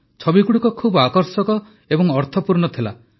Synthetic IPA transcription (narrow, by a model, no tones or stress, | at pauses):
t͡ʃʰɔbikuɽukɔkʰubakɔɾsɔkɔ | ebɔŋɔɾt̪ʰɔpuɾɳɔt̪ʰila̰